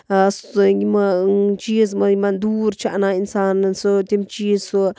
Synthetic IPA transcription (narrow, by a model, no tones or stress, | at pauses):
sŋɡimat͡ʃis̬maimand̪uɾt͡ʃaʔnainsansot̪ʲemt͡ʃiso